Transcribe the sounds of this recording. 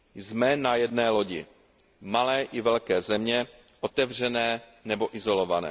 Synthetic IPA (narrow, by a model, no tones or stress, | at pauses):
jzmɛnajɛdnɛːlo̞ɟɪ̰ | malɛːʔɪvɛlkɛːzɛmɲɛ | ʔot̪ɛvr̝ɛnɛːnɛboʔɪzo̞lovanɛ̰ː